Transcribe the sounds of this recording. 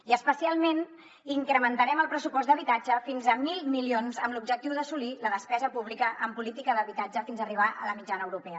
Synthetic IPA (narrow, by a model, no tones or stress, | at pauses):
iəspəsialˠmen | iŋkɾəmənt̪əɾɛməlˠpɾəsupɔzd̪əβit̪ad͡ʒəfinzəmilˠmilionzəmlub̚d͡ʒək̚t̪iwðəsuliləðəspɛzəpuβlikəʔəmpulit̪ikəðəβit̪ad͡ʒəfinzəriβ̞aʔə̰ləmid͡ʒanəwɾupɛə